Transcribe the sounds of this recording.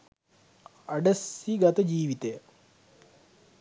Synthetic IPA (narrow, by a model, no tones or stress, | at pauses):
ɐɖɐsiɡɐt̪ɐd͡ʑiːʋit̪ej